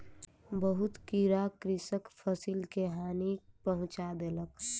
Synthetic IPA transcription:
bəɦʊt̪kiɾakɾɪsəkpʰəsilkeɦaːnipəɦʊ̃t͡ʃad̪elək

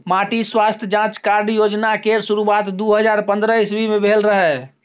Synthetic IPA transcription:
maʈiswast̪ʰjəd͡ʒãt͡ʃkaɾɖjod͡ʒnakeɾsuɾuat̪d̪uɦəd͡ʒaɾpənd̪ɾəisbʱimebʱelɾəɦɛ

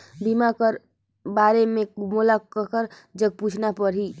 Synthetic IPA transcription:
bimakəɾ | baɾemẽmulaəkəɾ | d͡ʒəɡ̚put͡ʃʰnapəɾɦi

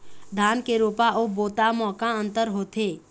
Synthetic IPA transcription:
d̪ʱaːnkeɾoːpaʔoːboːt̪amɔːkãə̃nt̪əɾɦoːt̪eː

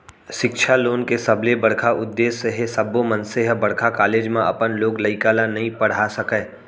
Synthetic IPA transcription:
ʃɪkt͡ʃʰaloːnkesɐblebɐɽkʰaʔʊd̪ːeːsːeɦesɐbomənseɦbɐɽ̤kʰakaːleːd͡ʒmẽɐ̰pənloːɡlɐɪkaːlanɐɦĩpɐɽ̤asɐkɛː

